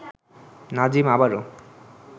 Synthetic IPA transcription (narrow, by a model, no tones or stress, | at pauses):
nad͡ʑimabaɾo